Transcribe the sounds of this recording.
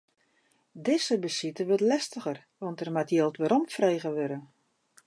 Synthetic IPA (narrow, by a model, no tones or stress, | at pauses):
dɪzəbəsitəʋøtlɛstəɣər | ʋɔntɛrmatjeːlˠtʋəɾɔmtfrejɣəʋøɾə